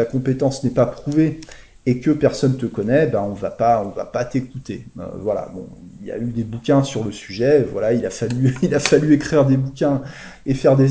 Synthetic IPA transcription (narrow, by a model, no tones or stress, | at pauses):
akɔ̃pet̪ɑ̃snɛpapχuveː | kəpɛʁsɔnt̪əkɔnɛbãɔ̃vapaɔ̃va̰pat̪ekut̪eø̰vwala̰bɔ̰̃ | ilja̰yd̪ebukʲɛ̃syʁləsyʒɛvwalailafalyilafalyekχiʁd̪ebukʲɛ̃efɛʁd̪e